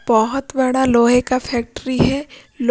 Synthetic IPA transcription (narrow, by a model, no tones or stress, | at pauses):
b̥ɐɦʊt̪bɐɽaloːɦẽkafʰɛːk̚ʈɾiɦɛ | l